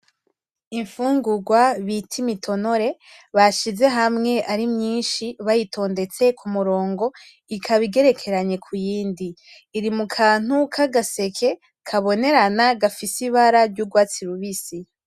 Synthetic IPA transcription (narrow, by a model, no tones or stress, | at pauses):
iɱfuːŋɡuɡwaβitʰimitʰo̞no̞ɾe̞ | βaʃize̞ɦamŋe̞ʔaɾimɲiːnʃiβajitʰo̞ːnde̞t͡se̞kʰumuɾo̞ːŋɡo̞ | ikʰaβiɡe̞ɾe̞kʰe̞ɾaɲe̞kʰujiːndiː | ɾimukʰaːn̥ukʰaɡase̞kʰe̞ | kʰaβo̞ne̞ɾanaɡafisiβaɾaɾɟuɡwaːt͡siɾuβisi